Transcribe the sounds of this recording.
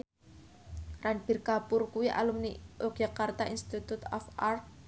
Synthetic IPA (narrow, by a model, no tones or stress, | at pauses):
ranb̥i̤rkapʊrkuwiʔa̰lumniʔok̚d͡ʒ̥akart̪aʔinst̪it̪ut̪ɔfart̪̚